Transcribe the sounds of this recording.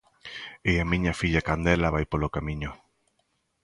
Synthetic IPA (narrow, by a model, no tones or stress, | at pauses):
eamĩɲafiʎakand̪elaβajpolokamĩɲʊ